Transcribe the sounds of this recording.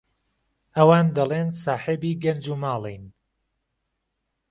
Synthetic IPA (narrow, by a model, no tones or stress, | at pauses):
ɐwaːnd̪ɐlˠeːnsaːħebiːɡɐnd͡ʒumaːlˠijn